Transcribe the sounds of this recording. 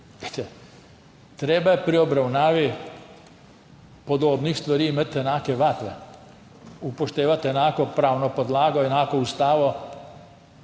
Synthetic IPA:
et̪ɛ | t̪ɾeːbapɾiobɾawnaːʋi | pod̪oːbnixst̪ʋaɾiːimat̪jenaːkeʋat̪ʋe | upoʃt̪eːʋat̪jenaːkopɾaːwnopod̪laːɡojenaːkoust̪aːʋo

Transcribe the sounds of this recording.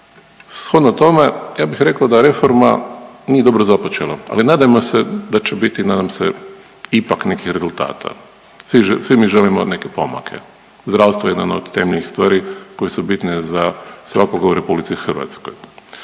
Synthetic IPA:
sxo̞d̪not̪o̞me̞jaːbixɾe̞kaod̪aɾe̞foɾma̰nijed̪o̞bɾozapot͡ʃe̞lˠaa̰linaːd̪ajmosed̪at͡ʃebit̪inaːd̪amsḛ | ipakne̞kixɾe̞zulˠt̪a̰ːt̪ʰa̰ | siʒsʋimiʒelimone̞kepo̰ma̰kʰḛ | zd̪ɾaːʋst̪ʋojed̪ano̰d̪t̪emeʎnixst̪ʋaːɾiko̞jesubit̪nezasʋakoɡauɾe̞publit̪sixr̩ʋa̰t̪skoj

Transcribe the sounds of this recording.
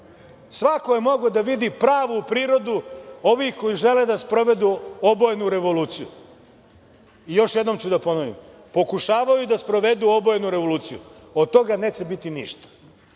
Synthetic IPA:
sʋakojemo̞ɡod̪aʋid̪ipɾaːʋupɾiːɾo̞d̪uo̞ʋixko̞iʒe̞led̪aspɾo̞ʋe̞d̪uobojenuɾe̞ʋo̞luːt̪siju | ijo̞ʃjed̪nomt͡ɕud̪apo̞noʋḭm | po̞kuʃaːʋajud̪aspɾo̞ʋe̞d̪uo̞bojnuɾe̞ʋo̞luːt̪sijṵot̪̚t̪o̞ɡane̞ːt͡ɕe̞bit̪inḭʃt̪ḁ

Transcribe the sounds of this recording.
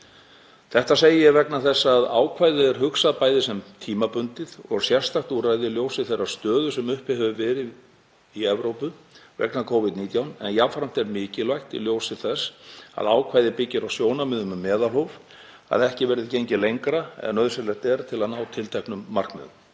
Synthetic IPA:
θɛht̪aseːjɪjɛvɛknaθɛsːaaːðaːwkʰvajðɪɛɾ̥ɦʏksaðpaːjðɪsɛmt̪ʰiːmapʏnt̪ɪðɔ̰ɣsjɛr̥st̪axt̪urajðɪljoːwsɪθejrːast̪œːðʏsɛmʏhpɪhœvʏvɛːɾɪ | iɛvɾowpʏvɛ̰knakʰowvɪd̪niːt̪jawnɛ̰njavfɾam̥t̪ɛɾmɪːcɪlvajxt̪ḭljoːwsɪθɛsa̰ðaːwkʰvaːjðɪpɪcːɪɾawsjoːwnamɪðʏmʏmːɛːðalhowv | a̰ðɛhcɪvɛɾðɪðcejɲcɪlejŋkɾaɛ̰nœð̥sɛɾlɛɾt̪ɛɾt̪ʰɪlaðnaːwt̪ʰɪlt̪ʰɛhknʏmːar̥knmɛ̰ðʏm

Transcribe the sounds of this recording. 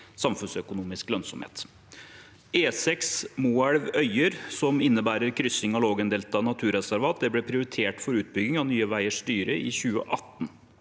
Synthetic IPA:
sɑmfʉnsœkʊnuːmɪsklœnsɔmhḛːt̪ | eːsɛksmuːɑɽʋœʏəɾsɔmɪnːəbæːɾəɾkʰɾʏsɪŋɑloːɡənd̪eːlt̪ɑnɑt̪ʰʉːɾɛsæɾʋɑːt̪d̪ɛblɛpʰɾɪʊɾɪt̪ʰeːʈfɔɾʉːt̪̚bʏɡɪŋɑnyːəʋæɪəʂt̪yːɾəʔɪçʉːə̰ʔɑt̪ːn̩

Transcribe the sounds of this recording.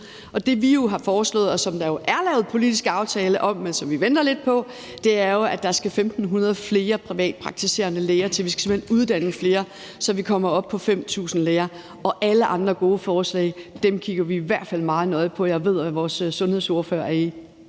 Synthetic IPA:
ʔɒ̽d̥e̝ʋijo̝ɦɑ̈fɒːslɔ̰̽ːð̩ˠɒ̽sɒ̽md̥ɑ̈jo̝ʔæɐlɛːʊð̩ˠpʰo̝lid̥isɡ̥ɑ̈ʊt͡sʰɛːləʔɒ̽mːensɒ̽mʋiʋen̰d̥ɐle̝d̥̚pʰɒ̽ | d̥e̝æɐjo̝æd̥ɑ̈sɡ̥æfemd̥n̩ɦunɐð̞ˠfle̝ːɐpʰʁiʋɛ̰ːd̥̚pʰʁɑ̈ɡ̥̚t͡sʰise̝̰ːɐnəleːɐt͡sʰe̝ʋisɡ̥se̝mhenuð̞ˠd̥æn̰əfle̝ːɐ | sɒ̽ʋikʰɒ̽mɐɒ̽b̥̚pʰɒ̽fem̰t͡sʰṵːsn̩leːɐ | ɒ̽ʔæləʔɑ̈nd̥ʁɐɡ̥o̝ːəfɒːslɛ̰ɪd̥emkʰiɡ̥ɐʋiːʋæɐ̰d̥fæl̰mɑ̈ːð̩ˠnɒ̽ðˠpʰɒ̽jɑ̈ɪʋe̝ð̞̰ˠʋæʋɒːsːɔ̽nhe̝ð̞̰ˠso̝ɐføːɐ̰æɐi

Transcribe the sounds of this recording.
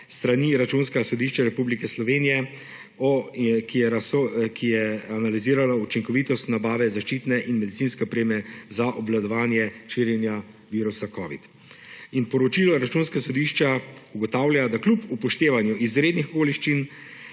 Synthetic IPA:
st̪ɾaniɾat͡ʃunsksɔd̪iʃt͡ʃaɾɛpublikɛslɔʋeːnijɛ | ɔkɛɾasokʰijɛanaliziːɾalaut͡ʃiŋkɔʋiːt̪ɔst̪nabaːʋɛzaʃt͡ʃiːt̪nɛʔinmɛd̪it̪siːnskɛɔpɾeːmɛzaʔɔblad̪ɔʋaːnjɛʃiːɾjɛnja | ʋiːɾusakɔːʋḭt̪ | inpɔɾɔt͡ʃiːlɔɾat͡ʃunskasɔd̪iʃt͡ʃauɡɔt̪aːwljad̪aklupupɔʃt̪eːʋanjuʔizɾeːd̪nixkoːliʃt͡ʃin

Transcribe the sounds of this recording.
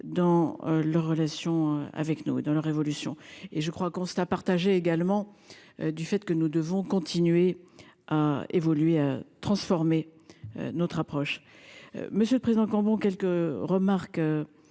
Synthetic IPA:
d̪ɑ̃lœʁːəlasjɔ̃a̰vɛknuḛd̪ɑ̃lœʁːevɔlysjɔ̃eʒəkχwakɔ̃sapaʁt̪aʒeːɡalmɑ̃d̪yfɛt̪kənud̪əvɔ̃kɔ̃t̪ʰinɥeaḛvɔlɥeat̪χɑ̃sfɔʁmeø̰nɔt̪χapχɔʃ | məsjøləpχezid̪ɑ̃kɑ̃bɔ̃kʲɛlkəʁəmaʁkø

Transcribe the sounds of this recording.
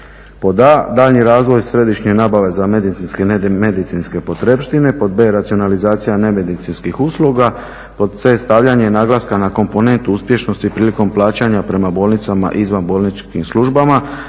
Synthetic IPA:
po̞d̪ad̪aːʎɲiɾaːzʋo̞jsɾe̞d̪iʃɲe̞naːbaʋe̞zame̞d̪it̪inskeme̞d̪it̪inske̞po̞t̪ɾepʃt̪ine̞po̞d̪̚be̞ːɾat̪sio̞nalizaːt̪sijane̞me̞d̪it̪sinskixuslˠuɡa | po̞d̪̚tse̞st̪aʋʎaɲenaːɡlaskanako̞mpo̞ne̞nt̪uuspje̞ʃno̞st̪ipɾiːliko̞mplˠaːt͡ɕaɲapɾe̞mabo̞ːlˠnit̪sama̰ʔizʋanbo̞ːlnit͡ʃkimslˠuʒbama

